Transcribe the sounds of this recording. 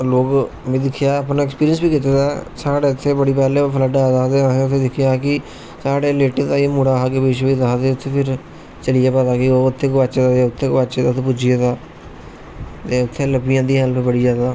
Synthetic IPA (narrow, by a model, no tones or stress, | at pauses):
loːk | mẽːd̪ɪkʰːɪjaːapnaːɛkspiːɾiənsbiːkɪt̪eːd̪aːsaːɽeːʊt̪ʰːeːbəɽiːpɛːleːpʰləɖaːd̪aːd̪eaːɦeʊt̪ʰːeːd̪ɪkʰejaːkɪ | saːɽeːleːʈeːt̪aːeːmuɽaːɦaːkebeːʃ̬biːd̪aɦat̪eːʊt̪ʰːeːpʰɪɾ | t͡ʃəlɪjaːpəd̪aːkɪoːʊt̪ʰːeːkʊat͡ʃeːd̪aːjaːʊt̪ʰːeːkʊat͡ʃeːd̪at̪ʰeːpʊd͡ʒied̪aː | t̪eːʊt̪ʰːeːləbijãːd̪iːɦəlpbəɽiːd͡ʒaːd̪aː